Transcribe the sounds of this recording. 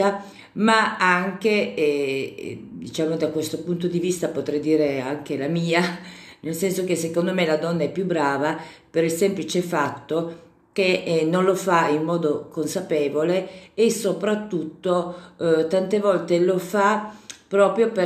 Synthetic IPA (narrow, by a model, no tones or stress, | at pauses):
a | maaŋke | d̪it͡ʃaːmod̪akwest̪opunt̪od̪ivist̪apot̪ɾɛjd̪iːɾeaŋk̟elamiːanelsɛnsok̟esekond̪omelad̪ɔnːaɛpːjubːɾaːvapeɾilsemplit͡ʃefat̪ːo | kenonlofaimːɔːd̪okonsapeːvoleːsopɾat̪ːut̪ːot̪ant̪evɔlt̪elofapɾɔːpɾjope